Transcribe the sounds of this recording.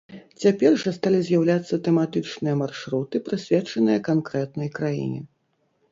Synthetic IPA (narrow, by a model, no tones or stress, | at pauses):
t͡sʲapʲɛrʐɐst̪alʲizʲjawlʲat̪sːɐt̪ɛmat̪ɨt͡ʂnɨjɐmarʂɾut̪ɨpɾɨsʲvʲɛt͡ʂɐnɨjɐkankɾɛt̪̚nɐjkɾajḭnʲɛ̰